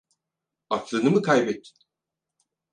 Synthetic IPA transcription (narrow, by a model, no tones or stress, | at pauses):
ak̪lˠɯnɯmɯkʰajbet̪ʰːi̥n